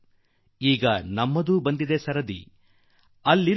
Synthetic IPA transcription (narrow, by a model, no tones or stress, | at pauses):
iːɡɐnɐmːɐd̪uːbɐnd̪id̪esɐɾɐd̪ḭ | ɐlːiɾ